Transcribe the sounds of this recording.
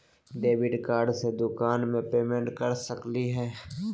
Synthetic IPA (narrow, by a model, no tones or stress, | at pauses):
ɖeːʋɪɖkaːɾɖsed̪ʊkaːnmẽpeːmẽɳʈkɐɾsəkliɦɛː